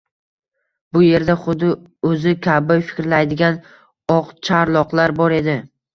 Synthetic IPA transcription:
bʊje̞ɾd̪aχʊd̪ɪ | ɵzɪkʲʰabɪjfɪ̥kʲɾlajd̪ɪɡʲan | ɒqt͡ʃʰaɾlˠɒqlˠaɾbɒɾe̞d̪ɪ

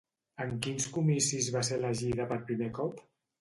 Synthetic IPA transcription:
əŋkinskumisizβaseləʒiðəpət̪pɾimekɔp

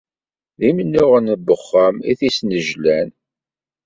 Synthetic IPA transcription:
ðimənːʊʁənəbəχːəmiθisnəʒlæn

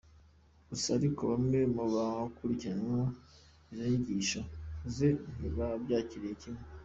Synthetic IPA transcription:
usaɾikoβammemuβaakuɾiciɾaeŋo | izjoɲiɟiːʃozeiβabɟaːciɾijecime

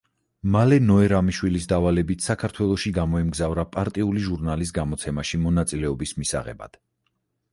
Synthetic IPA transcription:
malɛnɔɛɾamiʃwilisd̪avalɛbit̪ʰsakʰaɾt̪ʰwɛlˠɔʃiɡamɔɛmɡzavɾapʼaɾt̪ʼiuliʒuɾnalis̬ɡamɔt̪sʰɛmaʃimɔnat̪sʼilɛɔbismisa̰ʁɛ̰ba̰d̪̥

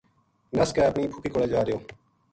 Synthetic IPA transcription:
nəskeːəpniːpʰʊkiːkoːleːd͡ʒaːɾɪjoː

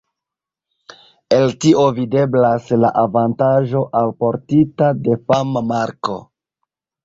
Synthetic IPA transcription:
e̞ltiʔo̞vide̞blaslaʔavantaʒo̞ʔalpo̞ɾtitade̞famamaɾko̞̰

